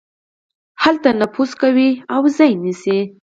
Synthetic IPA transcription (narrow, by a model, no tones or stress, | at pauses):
halt̪anaposkawiawzɑjnisi